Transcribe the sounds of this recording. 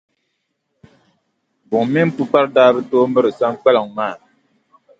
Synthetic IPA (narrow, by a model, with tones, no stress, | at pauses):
bʊ˨ŋ˨mi˦n˦pu˦k͡pa˦ɾdaː˦bɨ˦toː˦mɨ˦ɾɨ˨sa˦ŋk͡pɛ˦lɨ˨ŋ˨maː˦˨